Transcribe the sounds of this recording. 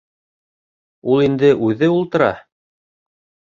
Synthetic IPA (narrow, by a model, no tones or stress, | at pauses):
ulˠind̪ɘʔʉðɘulˠt̪ɤ̆ɾɑ̰